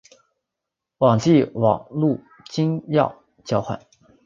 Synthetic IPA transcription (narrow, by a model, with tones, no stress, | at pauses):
wɑ˨˩ŋt͡ɕi˥˩wɑ̰˨˩ŋlu˥˩ | t͡ɕi˥ŋjɑ˥˩ʊ | t͡ɕjɑ˥ʊxwa̰˨˩˦n